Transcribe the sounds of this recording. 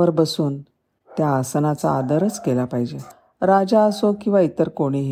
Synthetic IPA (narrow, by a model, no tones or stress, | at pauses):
əɾbəsuːn | t̪jaːsənat͡saːd̪əɾət͡skelapaɦid͡ʑe | ɾad͡ʑaəsokĩw̃ʋait̪əɾkoɽ̃iɦ